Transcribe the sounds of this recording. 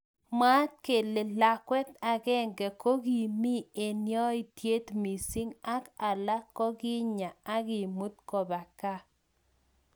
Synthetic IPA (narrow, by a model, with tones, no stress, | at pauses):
ma˦t̚ke˨le˨la˨kwɛ˦t̪a˨ɡɛ˦ŋɡɛ˨ko˦ɡi˨mi˦e˨njɔ˦i˦˨t̪je˦t̪mi˨si˦ŋa˦ka˨la˦kɔ˦ɡɪ˦ɲa˨a˦ɡɪ˨mu˦t̪kɔ˨ba˨ka˦